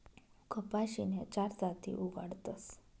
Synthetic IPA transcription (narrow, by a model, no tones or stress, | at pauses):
kʰəpaʃinet͡ʃaɾsat̪ʰḭʔuɡa̰ɽt̪əs